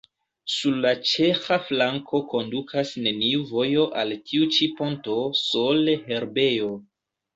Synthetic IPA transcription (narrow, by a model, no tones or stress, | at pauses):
suɾlat͡ʃe̞xaflaŋkʰo̞ko̞ndukʰasne̞niuvo̞jo̞ʔaltʰiut͡ʃipo̞nto̞so̞lehe̞ɾbe̞jo̞